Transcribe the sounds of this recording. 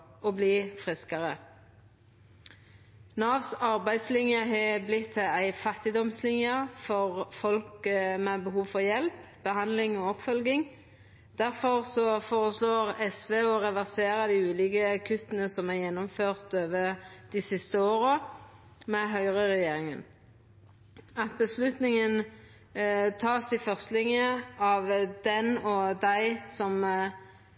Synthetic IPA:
ɔːbliːfʁɪskɑʁə | nɑːʋsɑʁbæɪd̪slɪnjəɦɛblɪt̪ʰːæɪfɑt̪ɪd̪ɔmslɪnjəfɔʁfɔlkmɛbəhuːʋfɔʁjɛlp | b̥əhɑnd̪lɪŋoːɔpfœlɡɪŋ | d̪̥æʁfɔʁsɔfoːʁəsloːʁɛsʋeːɔʁɛʋæʁseːʁɑd̪iːʉːlɪːɡəkʰʉt̪ːənəsɔmæʁjɛnːɔmføːʁt̪øːʋəd̪̥iːsɪst̪əoːɾə | mɛɦœʏʁəʁɛjeːɾɪŋən | ɑt̪̚bəslʉt̪nɪŋən | t̪ʰɑːsɪfœʁst̪lɪŋjəɑʋd̪ɛnɔd̪æɪsɔm

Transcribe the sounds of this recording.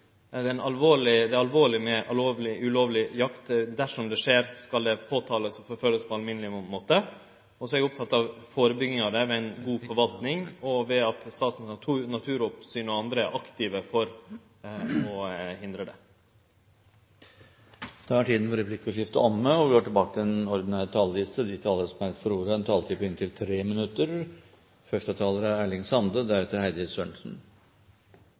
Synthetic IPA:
d̪ɛnɑlʋoːɭɪd̪ɛɑlʋoːɭɪmɛʔɑloːʋlɪʔʉloːʋlɪjɑkt̪d̪æʂɔmd̪ɛʂeːɾskɑld̪ɛpʰoːt̪ʰɑːləsɔfɔɾfœlːəspʰɔɑlmɪnəlɪmoːt̪ə | ɔsɔɛɾəʊp̚t̪ʰɑt̪ːɑʋfoːɾəbʏɡɪŋɑd̪ɛʋɛːæɪnɡuːfɔɾʋɑlt̪nɪŋɔʋɛɑt̪st̪ɑːt̪ən̩ɑt̪ʰːnɑt̪ʰʉːɾɔpsyːnɔɑnd̪ɾə̰ɾʔɑkt̪ɪʋəfɔɾ | ɔhɪnd̪ɾəɖ̪ɛ̰ | d̪̥ʰɑæʈʰiːd̪n̩fɔɾɛpʰlɪkːɔʂɪft̪əɔmːəɔɡoːʈɪlbɑːkət̪ʰɪɛnɔɾd̪ɪnæːɾt̪ʰɑːld̪iːsəd̪it̪ʰɑːləɾəsmæɾt̪fɔɾuːɾəɛnt̪ʰɑːlt̪ʰiːpʰɔɪnt̪ʰɪlt̪ʰɾeːmɪnʉt̪ːəɾ | fœʂʈət̪ʰɑːləɾəæːɭɪŋsɑnd̪əd̪æɾɛt̪əɾhæɪd̪ɪɾsøɳʂn̩

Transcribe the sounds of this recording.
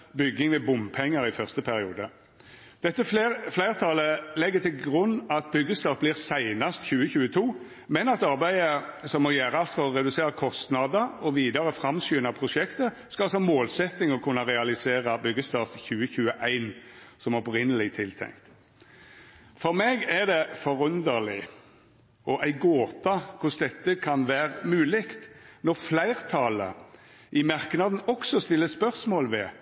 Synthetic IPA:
bʏɡːɪŋʋɛːbʊmpʰɛŋːəɾɪfœʁst̪əpʰæʁɪuːd̪ə | d̪̥ɛt̪ːəflæɪʁt̪ʰɑːləlɛɡːət̪ʰɪlɡʁʉnːɑt̪̚bʏɡːəst̪ɑfblɪːʁsæɪnɑst̪çʉːəçʉːət̪ʰuː | mɛnɑt̪ɑʁbæɪəsɔmːɔjæːʁəɑlt̪fɔʁɔʁɛd̪ʉseːʁəkʰɔst̪nɑd̪əɾɔʋiːd̪ɑʁəfʁɑmsyːnɑpʰʁʊʃɛkt̪ə | skɑsɔɑmoːlsɛt̪nɪŋɔkʰʉnːɑʁɛɑlɪseːʁəbʏɡəst̪ɑːfçʉːəçʉːəʔæɪn | sɔmɔpɾɪnəlɪt̪ʰɪlt̪ʰɛ̰ŋkt̪ | fɔʁmɛɡæʁd̪ɛfɔɾʉnd̪əʁlɪ | ɔʔæɪɡoːt̪ɑkʰʊsd̪ɛt̪ːəkʰɑnʋæːʁmʉːlɪkt̪nɔʁflæɪʁt̪ʰɑlə̰ | ʔɪmɑʁknɑd̪n̩ɔksɔst̪ɪlːəspœʁsmoːlʋɛ

